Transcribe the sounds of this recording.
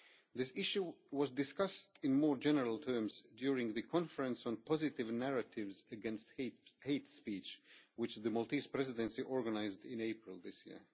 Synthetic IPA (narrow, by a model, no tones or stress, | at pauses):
ðɪsɪʃuwʌzdɨskʌstɪ̃nmɔːɹd͡ʒɛnəɹəlˠtʰɜ˞mzdjuɹɪ̃ŋðɨkʰɔ̃nfəɹɨ̃nsɔ̃n̩pʰɑzɨtɪvnæɹɨtɪvzɨɡɛ̃nstheɪtspit͡ʃwɨt͡ʃðɨmɔlˠtispɹ̥ɛzɨdɨ̃nsiʔɔɹɡənaɪzdɪ̃neɪpʰɹɪlˠðɪsjḭɹ